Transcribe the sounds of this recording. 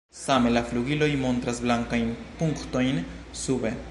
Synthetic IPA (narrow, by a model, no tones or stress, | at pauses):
samelafluɡilo̞jmo̞nt̪ɾasblaŋkajnpuŋkt̪o̞jn | sube